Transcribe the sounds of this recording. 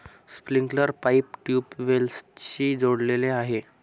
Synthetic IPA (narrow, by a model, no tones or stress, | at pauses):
spliŋkləɾpaip̚ʈjuːpʋelst͡ɕiːd͡zoɽleleaɦe